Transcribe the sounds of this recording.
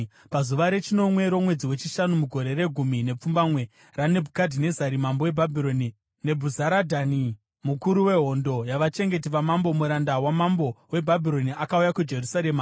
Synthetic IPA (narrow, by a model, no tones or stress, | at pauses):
pazuʋaɾe̞t͡ʃino̞mwe̞ɾo̞mwe̞d͡ziwe̞t͡ʃiʃanumuɡʱo̞ɾe̞re̞ɡʱumine̞p͡fumbamwe̞ | rane̞bʱukadʱine̞zaɾimambo̞we̞bʱabʱiɾo̞ni | ne̞bʱuzaɾadʱani | mukuɾuwe̞ɦo̞ndo̞jaʋat͡ʃe̞ŋɡe̞tiʋamambo̞muɾandawamambo̞we̞bʱabʱiɾo̞niʔakaujakud͡ʒe̞rusaɾe̞ma